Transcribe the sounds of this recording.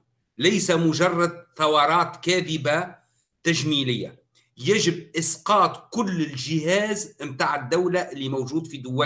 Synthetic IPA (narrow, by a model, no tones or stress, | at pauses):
lajsamʊʒɑrˤːɑd̪̚θɑwɑːɾˤɑːt̪kaːðɪba | t̪aʒmiːlɪjːa | jaʒɪbʔɪsqɑːt̪kʊlːɪlʒɪɦaːzmt̪aːʕɪd̪ːawlaʔɪlːimawʒuːd̪fid̪ʊwːa